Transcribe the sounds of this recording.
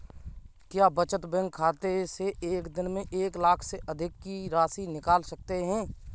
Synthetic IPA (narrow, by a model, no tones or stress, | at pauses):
kjaːbɐt͡ʃət̪bɛ̃ŋɡʰaːt̪eseeːkd̪ɪnmẽʔeːklaːkʰseʔɐd̪ʱɪkːiɾaːsinɪkaːlsɐk̚t̪eɦɛ̃ː